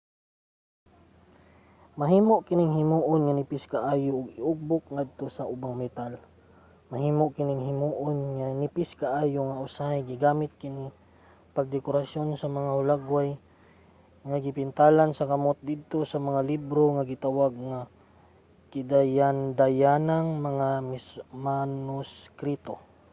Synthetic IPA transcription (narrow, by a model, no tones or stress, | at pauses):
mɐɦiːmoʔkɪnɪŋhɪmuːʔonŋɐnɪpɪskaʔaːjoʔʊɡɪʔʊɡ̚bʊk̚ŋad̪̚t̪osɐʔʊbaŋmɛt̪al | mɐɦiːmoʔkɪnɪŋɦɪmuːʔonŋanɪpɪskaʔaːjoŋaʔʊsahajɡɪɡaːmɪt̪̚kɪni | pɐɡ̚d̪ɛkʊɾasjo̞nsɐmɐŋahʊlaɡwaj | ŋaɡɪpɪnt̪alansɐkɐmot̪̚d̪ɪd̪̚t̪o̞sɐmɐŋalibɾo̞ŋaɡɪt̪awaɡ̚ŋa | kɪd̪ajand̪ajanaŋmɐŋamɪsmanoskɾit̪o